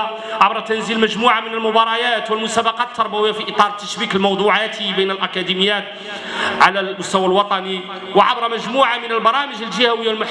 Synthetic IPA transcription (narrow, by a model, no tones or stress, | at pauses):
ʕabɾˤɑt̪ænzilmæʒmuʕamənəlmʊbɑɾˤɑjæt̪wəlmʊsæbɑqɑt̪ːɑɾˤbæwəjːafiʔət̪ˤɑɾˤt̪ːæʃbikəlmɑwd̪ˤuʕat̪ʰibəjnəlʔækæd̪iməjːæt̪ | ʕalælmʊst̪æwalwɑt̪ˤɑni | wəʕa̰bɾˤmæʒmuʕamənəlbɑɾˤɑməʒəlʒəhæwəjːalmʊħ